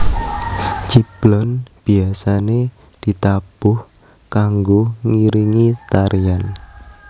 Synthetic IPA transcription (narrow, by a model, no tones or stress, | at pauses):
t͡ʃib̥lɔnb̥iasane | d̥i̤t̪ab̥ʊh | kaŋɡoŋiɾiŋit̪aɾʔijan